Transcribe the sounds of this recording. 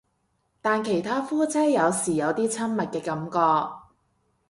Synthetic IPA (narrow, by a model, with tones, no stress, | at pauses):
t̪aː˨nkʰe˨˩jt̪ʰaː˥fuː˥t͡sʰɛː˥jjɐ˨˧wsiː˨˩jɐ˨˧wt̪iː˥t͡sʰɐ˥nmɐ˨t̚kɛː˧kɐ˨˧mkɔː˧k̚